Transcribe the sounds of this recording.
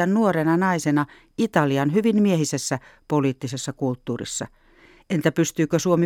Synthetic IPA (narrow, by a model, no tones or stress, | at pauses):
ænnuorenɑnɑisenɑ | it̪ɑliɑnhyʋinmiehisesːæpoliːt̪ːisesːɑkult̪ːuːrḭsːɑ̰ | ʔent̪æpyst̪yːkøsuomi